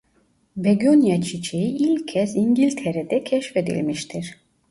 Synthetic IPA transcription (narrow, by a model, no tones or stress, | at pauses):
bɛɡonjat͡ʃʰit͡ʃʰejiilʲʰɛsiŋɟilʲt̪ʰɛɾɛd̪ɛcʲʰɛʃfed̪ḭlʲmiʃt̪ʰiɾ̥